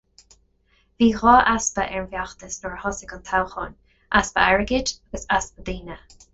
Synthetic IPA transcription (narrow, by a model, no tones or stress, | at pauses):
viːɣɑːʔaspəʔɛɹnvjaxt̪əsnɔɹhɔsɪkɔnt̪ʰawxɔn | ʔaspə̰ɛɹəɡɪd͡ʒaɡ̥əsaspəd̪iːnə